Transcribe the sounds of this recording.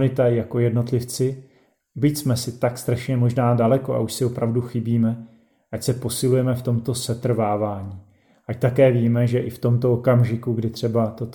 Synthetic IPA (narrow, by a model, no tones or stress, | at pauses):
nɪt̪ajako̞jɛdno̞t̪lɪft͡sɪ | bɪcsmɛsɪt̪akst̪ɾaʃɲɛmo̞ʒnaːdalɛko̞ʔa̰uʃsɪopɾavduxɪbiːmɛ | ʔacsɛpo̞sɪlujɛmɛft̪o̞mt̪o̞sɛt̪r̩vaːvaːɲiː | ʔact̪akɛːviːmɛʒɛʔɪft̪o̞mt̪o̞okamʒɪkuɡdɪt̪r̥ɛbat̪o